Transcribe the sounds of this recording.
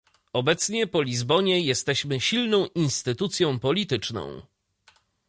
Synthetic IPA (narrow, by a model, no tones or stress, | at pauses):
ɔbɛt̪sɲɛpɔlʲizbɔɲɛjɛst̪ɛɕmɘɕilnɔ̃w̃ʔinst̪ɘt̪ut̪sʲjɔ̃w̃pɔlʲit̪ɘt͡ʂnɔ̰̃w̃